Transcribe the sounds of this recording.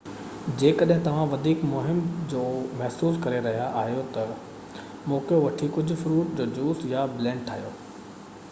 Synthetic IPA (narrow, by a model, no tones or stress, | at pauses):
d͡ʑeːkɐɗɦɪ̃t̪ɐʋ̤ãʋɐd̪ʱiːkmʊɦɪmd͡ʑoːmɐɦsuːskɐɾeɾɐɦijaʔaːɦijot̪ɐ | mõːkjoʋɐʈʰikʊd͡ʑʱʊ̆fɾuːʈd͡ʑoːd͡ʑuːsjablɛ̃ːɖʈʰaːɦijo̰ː